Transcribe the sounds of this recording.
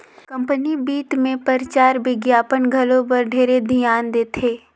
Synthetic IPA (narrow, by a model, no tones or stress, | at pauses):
kɐ̃mpənibiːt̪mẽpəɾt͡ʃaːɾʋɪɡjaːpənɡʱɐlõbɐɾɖʱeːɾed̪ʱijaːnd̪eːt̪ʰeː